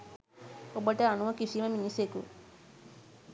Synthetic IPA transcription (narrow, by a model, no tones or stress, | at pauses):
obəʈəanuʋəkisiməminisekṵ